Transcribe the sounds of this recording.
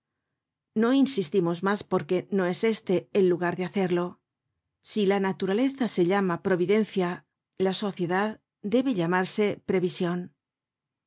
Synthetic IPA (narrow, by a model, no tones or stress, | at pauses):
no̞insist̪imo̞zmaspo̞ɾke̞no̞e̞se̞st̪e̞ːlːuɣaɾðeaθe̞ɾlo̞ | silanat̪uɾale̞θase̞ʎamapɾo̞βiðe̞nθja | laso̞θje̞ðað | d̪e̞βe̞ʎamaɾse̞pɾe̞βisjo̞n